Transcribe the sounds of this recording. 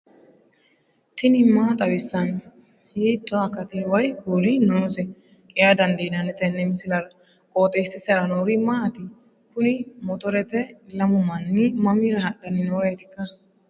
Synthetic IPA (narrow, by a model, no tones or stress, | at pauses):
t̪ɪnɪmːaːt̪ʼɐwɪsːɐn | jeːt̪ːɔɐkːɐt̪ɪwɐjkuːlɪnoːsɛ | kʼɪjad̪ɐnd̪eːnɐnɛt̪ɛnːɛmɪsɪlɐɾɐ | kʼoːt̪ʼeːsɪsɐɾɐnoːɾɪmaːt̪ɪ | kʊnɪmɔt̪ɔɾɛt̪ɛlɐmʊmɐnːɪmɐmɪɾɐɦɐɗɐnːɪnoːɾɛjt̪ɪkːɐ